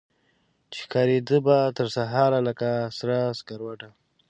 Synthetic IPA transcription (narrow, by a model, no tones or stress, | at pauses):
t͡ʃe̥hkɑɾed̪əbat̪əɾsaɦɑɾalakasɾaskaɾwaʈa